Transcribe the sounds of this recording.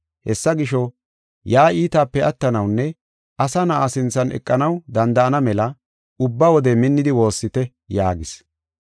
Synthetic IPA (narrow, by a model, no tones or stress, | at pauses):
hɛsːɐɡɪʃɔ | jaːiːt̪aːpːɛɐt̪ːɐnɐwnːɛ | ʔɐsɐnaasɪnt͡sːɐnɛ̰kʼːɐnɐwd̪ɐnd̪ɐʔɐnɐmɛlɐ | ʊbːɐwɔd̪ɛmɪnːɪd̪ɪwo̞ːsːɪt̪ɛ | jaːɡɪs